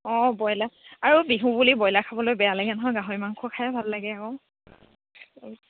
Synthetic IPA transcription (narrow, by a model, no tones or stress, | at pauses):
ɔ̃bɔjlaaɹubiɦũbulibɔjlakʰabɔlojbɛjalaɡɛnɔɦɔjɡaɦoimaŋkʰɔkʰajɛbʱalːaɡɛakɔ